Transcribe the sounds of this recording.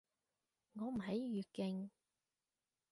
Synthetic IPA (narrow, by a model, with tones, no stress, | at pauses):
ŋɔː˨˧m̩˨˩ɦɐ˨˥jjyː˨˧t̚kɪ˧˩ŋ